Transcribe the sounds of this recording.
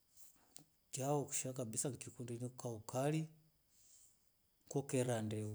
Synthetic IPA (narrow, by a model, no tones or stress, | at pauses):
d͡ʒaoku̥ʃakabisaŋkikundiniukaukali | ŋkɔkeɾandɛu